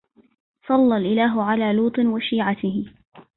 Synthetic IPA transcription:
sˤɑlːalʔɪlaːɦʊʕalaːluːt̪ˤɨnwaʃiːʕat̪ɪhɪ

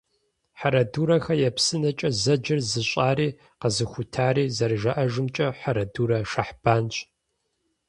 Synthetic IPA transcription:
ħaɾɐduːɾɐxɐjɛpsɨnɐt͡ʃʼɐzɐd͡ʒɪrzɨɕʼaːɾiː | qəzɨxʷʊtʰaːɾiːzɐrʒɐʔɐʒɨmt͡ʃʼɐħaɾɐduːɾɐʃɐħb̥aːnt͡ʃʼ

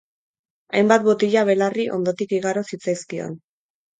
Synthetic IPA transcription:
ajmbat̪̚bot̪iʎaβ̞e̞lariʔo̞̰nd̪o̞t̪ikiɣaɾosit͡sajskio̞̰n

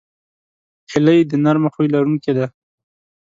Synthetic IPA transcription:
hɪləjd̪ənaɾmaxujlaɾuŋked̪a

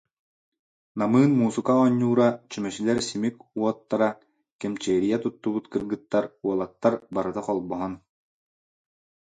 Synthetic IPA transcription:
namɯːnmuːsɯkaɔɲːuːɾat͡ɕymœɕilɛɾsimikuɔt̪ːaɾa | kɛmt͡ɕɛːɾijɛt̪ut̪ːubut̪kɯɾɡɯt̪ːaɾuɔlˠak̚t̪ːaɾbaɾɯt̪aqɔlˠbɔɦɔn

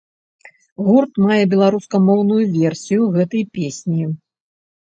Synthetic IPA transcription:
ɣurt̪majɛbʲɛlˠaɾuskɐmɔwnujuvʲɛrsʲijuɣɛt̪ɐjpʲesʲnʲi

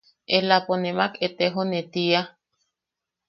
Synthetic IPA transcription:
elaponemaket̪eɦonet̪ia

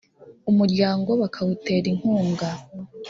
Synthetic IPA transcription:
umuɾɟaːŋɡo̞βakʰawute̞ːɾiŋ̥huːŋɡa

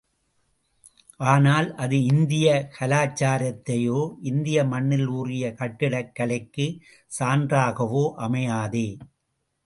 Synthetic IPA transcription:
ʔaːnaːlʔɐðɯɪnd̪ɪjɐkʰɐlaːt͡ʃːaːɾɐt̪ːɐjoːʔɪnd̪ɪjɐmɐɳːɪluːrɪjɐkɐʈːɪɽɐkːɐɭɐɪkːɯ | saːndraːɣɐʋoːʔɐmɐjaːðeː

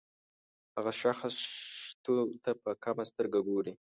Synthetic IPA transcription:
haɣaʃaxst̪ot̪apəkamast̪əɾɡaɡoɾi

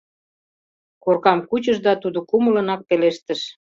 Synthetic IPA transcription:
korkɑmkut͡ɕəʒd̪ɑt̪ud̪okumələnɑk̚peleʃt̪əʃ

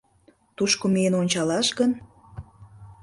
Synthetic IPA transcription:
t̪uʃkomeənonʲt͡ɕɑlɑʃɡən

